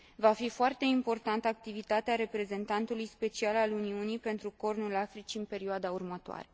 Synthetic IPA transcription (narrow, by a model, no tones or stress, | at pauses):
vafifoart̪e̞impo̞rt̪ant̪ak̚t̪ivit̪at̪eaɾe̞pɾe̞ze̞nt̪ant̪ulujspe̞t͡ʃialaluniunijpe̞nt̪ɾuko̞rnulafɾit͡ʃiɨnpe̞ɾioad̪aurmət̪oa̰ɾe̞